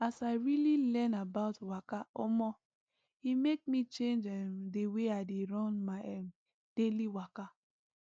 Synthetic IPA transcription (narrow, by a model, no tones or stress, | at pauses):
asaɪɹililɛ̃nabaʊtwakaɔmɔ | imek̚mit͡ʃẽnd͡ʒɛmdeweaɪdeɹɔ̃nmaɛm | d̥eliwaka